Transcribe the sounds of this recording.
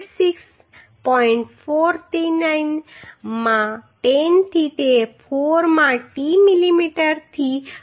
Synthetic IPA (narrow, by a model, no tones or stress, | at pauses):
siks | pɔɪɳʈ̚foɾt̪inajnmãʈent̪ʰit̪epʰoɾmãʈimilimiʈəɾt̪ʰi